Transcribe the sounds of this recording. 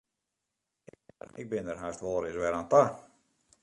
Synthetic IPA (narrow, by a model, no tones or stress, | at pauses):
ɪ̰k̚bɪndərɦaːstʋɔlːˠɾɪsʋɛɾaːnta